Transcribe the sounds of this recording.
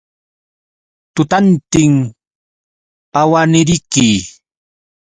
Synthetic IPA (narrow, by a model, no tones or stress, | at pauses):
t̪ʊt̪ant̪ɪŋ | awanɪɾɪkɪ